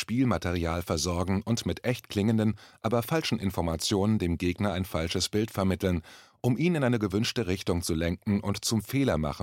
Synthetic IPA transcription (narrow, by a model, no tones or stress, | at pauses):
ʃpiːlmateʁ̞iaːlfɛɐzɔɐɡŋ̩ʊntmɪtʔɛçtkʰl̥ɪŋəndənʔaːbɐfalʃn̩ʔɪnfɔɐmat͡sjoːnəndeːmɡeːɡnɐaɪnfalʃəsb̥ɪltfɛɐmɪtl̩nʔʊmʔiːnɪnʔaɪnəɡəvʏnʃtəʁɪçtʊŋt͡sulɛŋkŋ̩ʔʊntt͡sʊmfeːlɐma̰χn̩